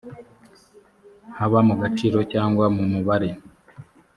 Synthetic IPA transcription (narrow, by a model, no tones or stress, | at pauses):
haβamuɡat͡ʃiːɾo̞caːŋɡwamumuβaɾe